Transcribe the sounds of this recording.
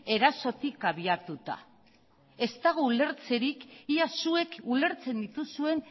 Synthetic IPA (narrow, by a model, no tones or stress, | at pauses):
e̞ɾaso̞t̪ikaβiat̪ut̪a̰ | e̞st̪aɣ̞oule̞ɾt͡se̞ɾikiasue̞kule̞ɾt͡se̞nd̪it̪usue̞n